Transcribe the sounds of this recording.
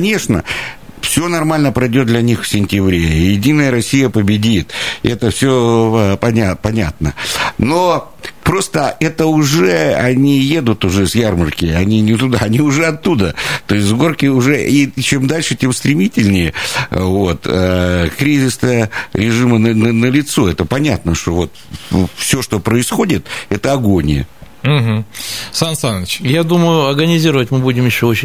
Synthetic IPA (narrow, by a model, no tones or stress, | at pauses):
kɐnʲe̞ʂnə̰fsʲonɐrmalʲnəpɾɐjdʲod̪lʲɐnʲixfsʲɪnʲtʲɪbɾʲejɪdʲinːəjəɾɐsʲijəpəbʲɪdʲit̪ɛt̪əfsʲopɐnʲapɐnʲat̪nəno̞ | pɾo̞st̪əɛt̪əʊʐɛɐnʲije̞d̪ʊt̪ʊʐɛsʲjarmərkʲɪɐnʲinʲɪt̪ʊd̪aɐnʲiʊʐɛɐt̪ːud̪ət̪o̞ɪs̬ʲtʲzɡo̞rkʲɪʊʐɛʔit͡ɕe̞md̪alʲʂɨtʲe̞mst̪ɾʲɪmʲitʲɪlʲnʲɪjəvo̞t̪əkɾʲizʲɪsəɾʲɪʐɨmənəənəlʲɪt̪so̞ɛt̪əpɐnʲat̪nəʂt̪o̞vo̞t̪ | fsʲo̞ʂt̪o̞pɾəɪsxo̞dʲɪt̪ɛt̪əɐɡo̞nʲɪjə̰ | m̩ɦm̩sansanɪt͡ɕjad̪uməjʊɐrɡənʲɪzʲiɾəvətʲmɨbudʲɪmjɪɕːoot͡ɕɪ